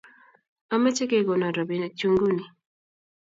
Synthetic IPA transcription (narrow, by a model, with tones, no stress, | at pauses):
a˨me˦t͡ʃe˦ke˦ɡɔ˨na˨ɾɔ˨bi˨n˨t͡ʃu˦ŋɡu˦ni˨